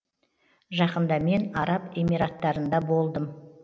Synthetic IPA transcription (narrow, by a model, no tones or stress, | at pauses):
ʒɑqənd̪ɑme̞nɑɾɑpe̞miɾat̪ːɑɾənd̪ɑbo̞lˠd̪əm